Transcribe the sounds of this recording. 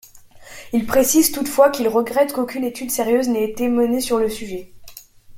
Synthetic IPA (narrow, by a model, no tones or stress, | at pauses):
ilpχesizt̪ut̪fwakʲilʁəɡʁɛt̪kokʲynet̪yd̪seʁjøznɛːt̪emənesyʁləsyʒɛ